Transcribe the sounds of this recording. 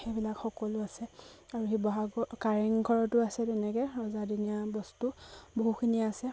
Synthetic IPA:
xejbilakxɔkɔlʊasɛaɹuxibɔɦaɡɔkaɹiŋɡʱɔɹɔtʊasɛtɛnɛkɛɹɔzadinijabɔstuboɦukʰiniːsɛ

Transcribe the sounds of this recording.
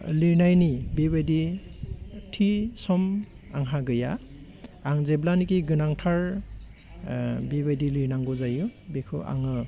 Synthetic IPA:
liɾnajnibebajdi | tʰisɔm | aŋɦaɡɯja̰ː | ŋzeblanikiɡɯnaŋtʰaɹ | bebajdiliɾnaŋɡɔzajubekʰɯʔa̰ŋɯ

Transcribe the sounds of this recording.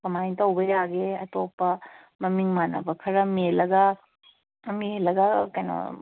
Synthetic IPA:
kɐmajŋtɐwbɐjaɡeɐtopːɐ | mɐmiŋmanɐ̰bɐkʰɐɾɐmielɐɡɐ | mielɐɡɐkɐjnɐ̰

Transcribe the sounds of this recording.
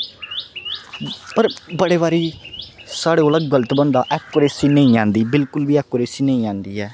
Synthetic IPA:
pəɾbəɽeːβaːɾiːsaːɽeːoləɡɡələt̪bənd̪aːʔɛkːoɾeːsiːnəĩːãːnd̪iːbɪlkʊlbiːɛːkːoːɾeːsiːnəĩːãːnd̪iːɛː

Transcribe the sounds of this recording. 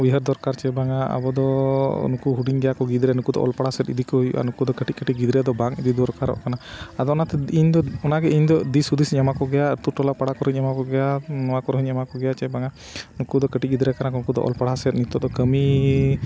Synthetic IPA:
biɦəɾd̪ɔɾkaɾt͡ʃɛbaŋaʔa̰bɔd̪ɔnukuɦuɖiŋɡɛjakɔɡid̪ɾɛanukud̪ɔ̰ʔɔ̰lpaɽasɛt̪id̪ikɔɦujṵʔa̰nukud̪ɔkəʈit̚kəʈiɡid̪ɾɛjad̪ɔbaŋid̪id̪ɔɾkaɾɔ̰ʔkanaad̪ɔɔnat̪ɛiɲd̪ɔɔnaɡɛiɲd̪ɔd̪isud̪isiɲamakɔɡɛjaɾt̪uʈɔlapaɽakɔɾɦiɲamakɔɡɛjanɔmakɔɾɦiɲamakɔɡɛjat͡ʃɛbaŋa | nukud̪ɔkəʈic̚ɡid̪ɾɛkanakɔnukud̪ɔ̰ʔɔ̰lpaɽasɛt̪̚nit̪ːɔd̪ɔkəmi

